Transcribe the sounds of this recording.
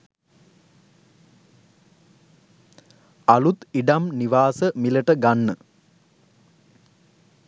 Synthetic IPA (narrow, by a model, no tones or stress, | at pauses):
alut̪iɖamniʋaːsəmiləʈəɡanːə